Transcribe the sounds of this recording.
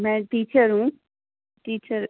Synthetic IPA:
mɛ̃ːʈiːt͡ʃəɾɦũː | ʈiːt͡ʃəɾ

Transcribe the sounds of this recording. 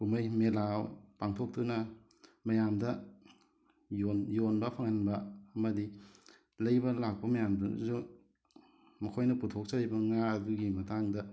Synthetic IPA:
kumɐjmelawpaŋtʰok̚tunɐ | mɐjamdɐ | jonjonbɐpʰaŋɐnbɐɐmɐdi | lɐjbɐlak̚pɐmɐjamduzu | mɐkʰojnɐputʰok̚sɐɾijbɐŋaɐduɡimɐtaŋdɐ

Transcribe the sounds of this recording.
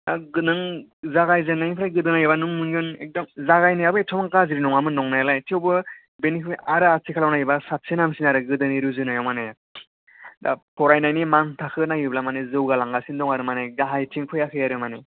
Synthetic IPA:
aɡɯnɯŋzaɡajzɯnːajpʰɾajɡɯdɯnajɯbanuŋmunɯnek̚dɔmzaɣajnajabɯetʰɔmaŋkaziɾinɔŋamɯnɔŋnajalajtʰewbɯ | benipʰiaɾɯasikʰalawnajibasat̚senamsinaɾɯɡɯdɯniɾuzɯnajawmanej | dapʰɔɾajnajnimaŋtʰakʰɯnaɡiblamanezɯwɡalaŋɡasindɔŋaɾɯmaneɡaɦajtʰiŋkʰɯjakʰɯjaɾɯmane

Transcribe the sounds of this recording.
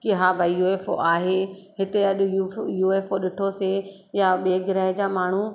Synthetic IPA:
kɪɦaːbʱaːijuːeːfo̰ʔaːɦeːɦɪt̪eɐɗʊjujuːeːfoɗɪʈʰose | jaɓeːɡɪɾɛːɦd͡ʑaːmaːɳ̤u

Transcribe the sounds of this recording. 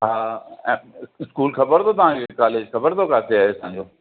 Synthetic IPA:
ɦaːɛ̃ɪskuːlkʰɐbəɾt̪ʰot̪ɐʋ̤ãːd͡ʑokaːleːd͡ʑkʰɐbəɾt̪ʰokaːt̪eaːɦeɐsãːɲd͡ʑoː

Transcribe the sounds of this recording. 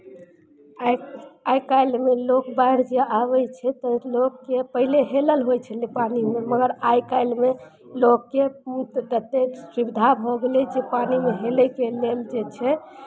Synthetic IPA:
ajkajlmelokbaiɾd͡ʒeaβɛt͡ʃʰɛt̪əlokːepəɦileɦeləlɦojt͡ʃʰəlipanimeməɡəɾajkajlme | lokːet̪t̪ət̪esibd̪ʱabʱɔɡelɛd͡ʒepanimeɦeləkeleld͡ʒet͡ʃʰɛ

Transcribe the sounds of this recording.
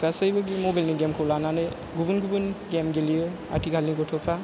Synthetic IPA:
ɡasajbaɡimɔbajlniɡɛmkʰɔwlananɯ | ɡubunɡubunɡemɡelijɯ | a̰tʰiɡʰalniɡɔtʰɔpʰɾa

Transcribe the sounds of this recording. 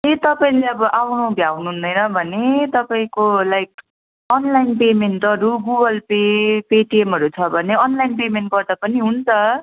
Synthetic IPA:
et̪ʌpaĩleʌbʌʔawnobʱjawnuɦund̪ʌjnʌbʱʌnet̪ʌpaĩkolajk̚ | ʌnlainpemenʈʌɾuɡuɡʌlpepeʈiemɦʌɾut͡sʰʌbʱʌneʌnlainpemenʈ̚bʌrd̪ʌpʌniɦunt͡sʰʌ

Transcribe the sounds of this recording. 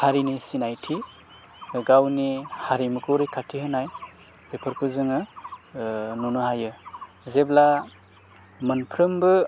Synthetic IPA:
haɾinisinajtʰi | ɡawnihaɾimɯkʰowɾikʰatʰiɦɯnaj | bipʰɯɾkʰɯzɯŋɯ | nunɯɦajɯ | zebla | mɯnpʰɾɯmbɯ

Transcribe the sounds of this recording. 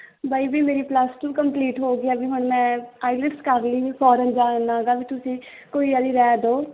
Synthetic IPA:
baːibiːmeːɾiːpləsʈũːkəmpliːʈɦoːɡɪaːbʱiːɦʊɳmɛ̃ːaːɪlɪʈskəɾliːpʰɔːɾənd͡ʒaːnːaːɡaːbiːt̪ʊsĩː | koːiːaːd̪iːɾɛːd̪oː

